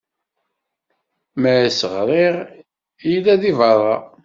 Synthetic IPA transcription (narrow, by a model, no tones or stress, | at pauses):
məʕsəʁɾˤiʁ | ilːæðivɑrˤɑ̰